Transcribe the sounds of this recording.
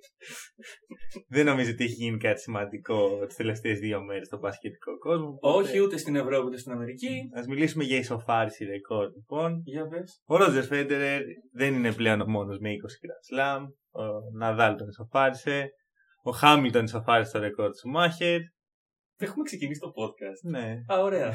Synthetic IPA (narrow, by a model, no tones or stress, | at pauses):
ðe̞no̞mizoot̪ieçiʝinikɐt̪i̥simɐnd̪iko̞t̪i̥st̪e̞le̞ft̪e̞ːzðiomeɾe̞st̪obɐscet̪i̥ko̞ko̞zmooçiut̪est̪ine̞vɾo̞piut̪est̪inɐme̞ɾiciɐzmilisume̞ʝɐiso̞fɐɾisiɾe̞ko̞ɾd̪lipo̞nʝɐvesoɾo̞d͡zeɾfed̪eɾeɾðe̞nine̞ple̞o̞nomo̞nozme̞iko̞si̥ɡɾɐt̪slɐm | onɐðɐlt̪oniso̞fɐɾise̞ | oxɐmilt̪oniso̞fɐɾiset̪oɾe̞ko̞ɾd̪sumɐçeɾ | exumeksecinisi̥t̪o̞po̞t̪̚kɐst̪ne̞ɐoɾe̞ɐ